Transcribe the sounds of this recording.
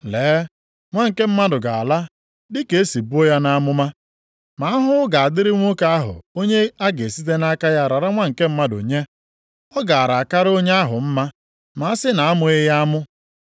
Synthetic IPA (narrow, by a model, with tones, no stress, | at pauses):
leː˨˦ | ŋʷa˦ŋ̩˨ke˦m̩˦ma˦dʊ˨ɡa˨a˨la˦ | dɪ˦ke˨e˦si˨bu˦o˦ja˦na˦mʊ˦ma˦ | ma˨˦a˦ɦʊ˦ɡa˨a˨dɪ˦ɾɪ˦ŋʷo˦ka˦a˦ɦʊ̰˨o˦ɲe˦a˦ɡe˨si˦te˦na˦ka˦ja˦˨ɾa˨ɾa˦ŋʷa˦ŋ̩˨ke˦m̩˦ma˦do̰˨ɲe˦ | ɔ˦ɡa˨a˨ɾa˨ka˦ɾo˦ɲe˦a˦ɦʊ̰˨m̩˦ma˦ | ma˦a˦sɪ˦na˨a˦mʊ˦ɪ˦ja˦a˦mʊ˦